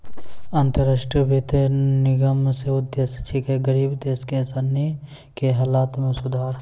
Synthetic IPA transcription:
ɐnt̪əɾaːʃʈɾəbʱit̪nɪɡəmseʊd̪ːest͡ʃʰikeɡəɾiːbd̪eːskesəni | keɦaːlaːt̪mẽsʊd̪ʱaːɾ

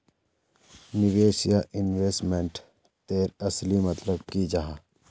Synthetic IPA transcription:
nɪʋeːsijaʔɪnweːsʈmẽɳʈ | t̪eːɾɐslimɐt̪ləb̚kid͡ʒaːɦãː

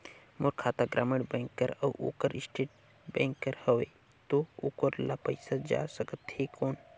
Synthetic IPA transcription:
moɾkʰaːt̪aɡɾʔa̰ːmeɽbẽŋkːəɾɐʔo̰ːkəɾisʈeːʈ̚ | bẽːŋkːəɾhəʋe | t̪oo̰ːkoɾlapəjsad͡ʒa̰ːsəkət̪hekoːn

